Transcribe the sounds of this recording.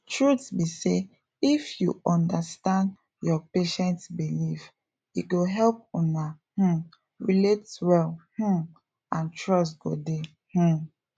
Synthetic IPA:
tʰɹutbise | ifjṵʔɔ̃ndəstãnd | jɔpeʃɛ̃ntbilif | iɡoɦɛlp̚ɔ̃na | hm̩ | ɹiletwɛlh̩ | ʔãntʰɹɔstɡ̥ode | h̩

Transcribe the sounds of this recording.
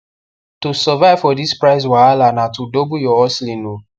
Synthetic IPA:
tusɔvaɪv̥fɔdispɹaɪs̬waalanatudobujɔɔslĩno

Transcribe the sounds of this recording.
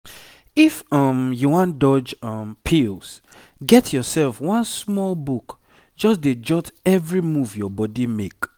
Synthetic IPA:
ifʌmjuwãndɔd͡ʒʌmpʰils | ɡɛtʰjɔsɛlfwɔ̃nsmɔlbuk | d͡ʒɔsded͡ʒɔtɛvɹimuvjɔbɔdimek

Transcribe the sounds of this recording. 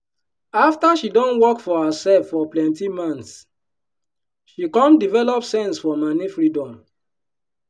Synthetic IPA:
aftaʃidɔ̃nwɔkfɔhasɛlfːɔplɛ̃ntimãns | ʃikɔ̃ndivɛlɔpsɛ̃nsfɔmanifɹidɔ̃m

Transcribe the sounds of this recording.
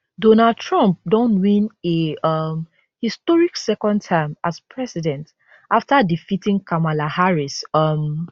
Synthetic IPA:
dɔnad̚tʰɹãmp̚dõntwĩneʌm | histɔɹiksɛkɔ̃ntʰãɪ̃maspʰɹɛsidɛ̃nt | ʔaftadifitĩŋkʰamalahaɹisʌm

